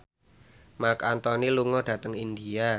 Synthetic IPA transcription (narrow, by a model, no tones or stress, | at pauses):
markant̪ɔniluŋɔd̥ä̤t̪əŋind̪ia